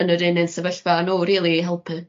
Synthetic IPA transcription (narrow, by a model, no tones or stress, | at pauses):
ənəɾɪnɨnsəvəɬv̥anoɾiːlˠiɦɛlˠpʰɨ